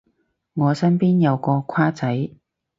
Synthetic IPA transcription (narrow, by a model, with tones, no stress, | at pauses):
ŋɔː˨˧sɐ˥npiː˥njɐ˨˧wkɔː˧kʰaː˥t͡sɐ˨˥j